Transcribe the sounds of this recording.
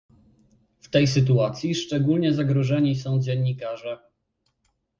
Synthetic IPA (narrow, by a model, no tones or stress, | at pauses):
ft̪ɛjsɘt̪̬uat̪sʲjiʂt͡ʂɛɡulɲɛzaɡɾɔʐɛɲisɔ̃w̃d͡ʑɛnːikaʐɛ